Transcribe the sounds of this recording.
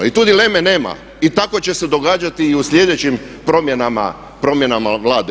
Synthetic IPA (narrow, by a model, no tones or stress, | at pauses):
it̪ud̪ile̞mene̞ːma̰ | it̪ako̞t͡ɕe̞se̞d̪o̞ɡaːd͡ʒat̪iːuslʲje̞d̪et͡ɕimpɾo̞mjenama̰ | pɾo̞mje̞namaʋlˠaːd̪e